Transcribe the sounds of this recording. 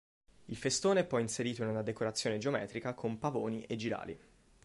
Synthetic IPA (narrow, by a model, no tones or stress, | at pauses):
ilfest̪oːnepɔjinseɾiːt̪oinunad̪ekoɾat̪sːjoːned͡ʒeomɛ̰ːt̪ɾikakʰompavoːniʔed͡ʒiɾa̰ːlḭ